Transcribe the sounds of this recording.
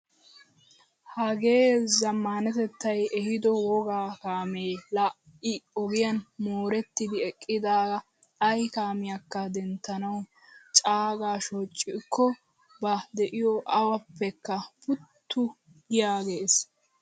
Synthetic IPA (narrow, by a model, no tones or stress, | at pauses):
hɐɡe̞ːzɐmːanɛt̪ɛt̪ːɐjɛhɪd̪ɔwɔɡaːkaːme̞ːlɐ | ɪɔɡɪjɐnmoːɾɛt̪ːɪd̪ɪɛkʼːɪd̪aːɡɐ | ɐjkaːmɪjɐkːɐd̪ɛnt̪ːɐnɐw | t͡ʃʼaːɡaːʃot͡ʃʼːɪkːɔ | bɐd̪ɛʔɪjɔʔɐwɐpːɛkːɐpʊt̪ːʊ | ɪjaːɡe̞ːs